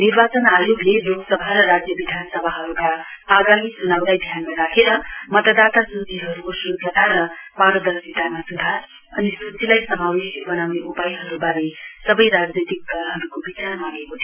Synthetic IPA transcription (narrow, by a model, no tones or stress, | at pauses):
niɾbat͡sʌnajoɡleloɡsʌbʱaɾʌɾad͡zjʌbid̪ʱanʌsʌbʱaɦʌɾukaːɡamit͡sunawd̪ajd̪ʱjanmaɾakʰeɾʌmʌt̪ʌd̪at̪asut͡siɦʌɾukosud͡zʌt̪aɾʌpaɾʌd̪ʌsit̪amasud̪ʱa | ʌnisut͡silajsʌmawesibʌnawneʔupajɦʌɾubaɾesʌbʌjɾad͡znit̪ikːʌɦʌɾukobit͡sarmaɡekot̪ʰi